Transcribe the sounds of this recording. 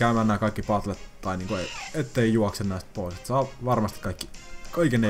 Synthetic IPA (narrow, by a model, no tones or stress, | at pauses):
kæˑymænːæːkɑˑikːipɑt̪let̪ːɑˑiniːŋkueˑiet̪ːeijuɑksenːæˑist̪̚poˑiset̪ːsɑːʋɑrmɑst̪i̥kɑikːikɑikenːe